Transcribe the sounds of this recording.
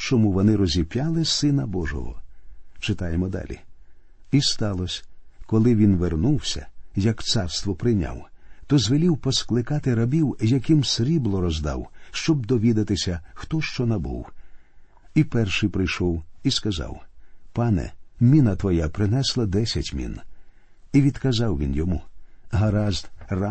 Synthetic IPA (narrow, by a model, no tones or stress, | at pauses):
t͡ʃɔmuʋɔnɪɾɔzʲipʲjalˠɪsɪnɐbɔʒɔ̰ɦɔ̰t͡ʃɪt̪ɑjemɔd̪ɑ̰lʲḭ | ist̪ɑlˠɔsʲkɔlˠɪʋʲinʋernuwsʲɐ̰jɐkt̪sɑrst̪ʋɔpɾɪnʲa̰wt̪ɔzʋelʲiwpɔsklˠɪkɑt̪ɪɾɐbʲiwjɐkɪmsɾʲiblˠɔɾɔzd̪ɑ̰wʃt͡ʃɔb̚d̪ɔʋʲid̪ɐt̪ɪsʲɐxt̪ɔʃt͡ʃɔnɐbṵw | ipɛrʃɪjpɾɪjʃɔwiskɐzɑ̰wpɑnɛ̰mʲinɐt̪ʋɔjapɾɪnɛslˠɐd̪ɛsʲɐtʲmʲḭn | iʋʲid̪̥kɐzɑwʋʲḭnjɔmṵɦɐɾɑzd̪ra